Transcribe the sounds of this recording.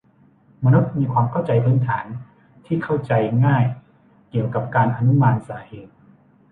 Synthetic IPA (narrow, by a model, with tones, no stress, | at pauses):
ma˧nu˦˥t̪̚miː˧kʰwaː˧mkʰa˥˩wt͡ɕa˧jpʰɯː˦˥nt̪ʰaː˩˦n | t̪ʰiː˥˩kʰa˥˩wt͡ɕa˧jŋaː˥˩j | ki˨˩əwka˨˩p̚kaː˧nʔa˧nu˦˥maː˧nsaː˩˦heː˨˩t̪̚